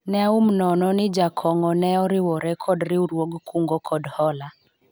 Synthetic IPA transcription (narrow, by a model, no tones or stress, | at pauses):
nɛaum̩nɔnɔnɪd͡ʒakʰɔŋɔnɛɔɾɪwɔɾɛkʰɔdɾiuɾwɔɡkʰuŋɡɔkʰɔdhɔla